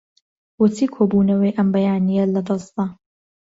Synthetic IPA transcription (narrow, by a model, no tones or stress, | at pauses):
wʊt̪ʰiːkʰoːbunɐwɐjʔɐmbɐjaːnijɐlɐd̪ɑzt̪ɐ